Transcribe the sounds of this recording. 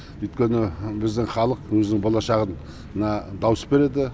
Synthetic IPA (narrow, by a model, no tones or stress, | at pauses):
ʏjt̪kʲe̞nɪbɪzd̪ɪŋχɑlˠəqwɵzɪnɪŋbolˠɑʃɑʁən | nɑd̪ɑwəsbe̞ɾe̞d̪ɪ